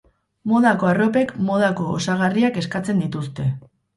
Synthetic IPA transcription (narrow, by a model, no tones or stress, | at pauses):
mo̞ð̞ako̞aro̞pe̞kmoð̞ako̞ːsaɣariake̞skat͡se̞nd̪it̪ust̪e̞